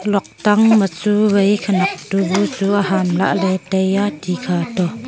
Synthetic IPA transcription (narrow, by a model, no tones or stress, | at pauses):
lɔk̚t̪ɐŋmət͡suɣejkʰanɐk̚tubut͡suːʔaɦamla̰ʔlɛtejatikʰaːtɔ